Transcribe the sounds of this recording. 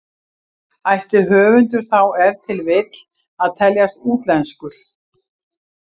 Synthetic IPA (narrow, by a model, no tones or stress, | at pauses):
ajht̪ɪɦœːvʏnt̪ʏɾ̥θawɛɾt̪ʰɪlvɪt̪l̥ | aðt̪ʰɛljast̪uːt̪lɛnskʏɾ̥